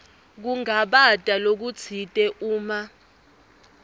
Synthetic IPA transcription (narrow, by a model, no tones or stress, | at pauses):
k̬uŋaɓatʼalok̬ut͡sʰitʼɛʔuːma